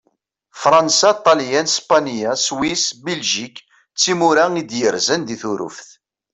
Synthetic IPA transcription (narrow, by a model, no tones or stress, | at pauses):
fɾˤɑnsat̪ˤːɑljænspanijaswisbilʒik | t͡sːimuɾæid̪jəɾzənðiθuɾṵfθ